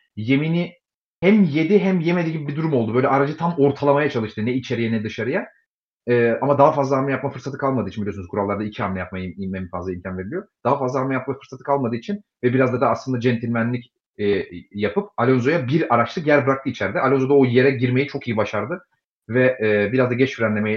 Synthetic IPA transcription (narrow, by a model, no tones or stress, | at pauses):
je̞mini | hæmje̞d̪iɦæmjemed̪iɟipbid̪uɾumo̞lˠd̪ubø̞jlʲɛʔaɾad͡ʒɯt̪ʰamo̞ɾt̪ʰalˠamajat͡ʃʰalˠɯʃt̪ɯnɛit͡ʃʰe̞ɾijɛnɛd̪ɯʃaɾɯja | ɛːamad̪aɦafazlˠaɦamʲɛjap̚mafɯɾsat̪ɯ̥kʰalˠmad̪ɯːt͡ʃʰinbiliosnzkuɾalːˠaɾd̪aicʰiamnʲɛjap̚majaimmɛmfazlˠaimcʰanveɾilʲijod̪̥aɦafazlˠaɦamʲjap̚mafɯɾsat̪ʰɯ̥kʰalˠmad̪ɯːit͡ʃʰin | vɛbiɾazd̪ad̪aːslˠɯnd̪ad͡ʒɛnt̪ʰilʲmænlʲicː | japʰɯp̚alʲonzo̞jabiɾaɾat͡ʃt̪ʰˠɯkjæɾbɯɾakt̪ɯit͡ʃʰæɾd̪ɛʔalʲonzo̞d̪aoje̞ɾɛɟiɾme̞jit͡ʃʰo̞kijibaʃaɾd̪ɯ | vɛːbiɾazd̪aɟɛt͡ʃfiɾænlʲe̞meji